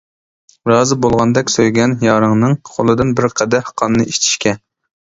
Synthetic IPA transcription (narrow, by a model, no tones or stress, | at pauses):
ɾɑːzɨbolˠʁɑnd̪ɛkʲsøjɡʲɛnjɑːɾɨŋnɨŋqʰolˠɨd̪ɨnbɪɾqʰɛd̪ɛhqʰɑnːɨʔiʃt̪ʰi̥ʃkʲɛ